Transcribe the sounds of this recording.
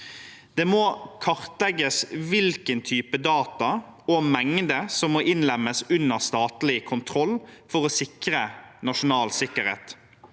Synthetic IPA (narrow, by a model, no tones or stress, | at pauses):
d̪̥eːmoːkʰɑʁt̪lɛɡːəsʋɪlkənt̪ʰyːpəd̪ɑːt̪ɑɔmɛŋd̪əsɔmːoʔɪnlɛmːəsʉnːəʁst̪ɑːt̪lɪkʰʊnt̪ʰɾɔlfɔɾɔsɪkɾənɑʂʊnɑːlsɪkːəɾḛːt̪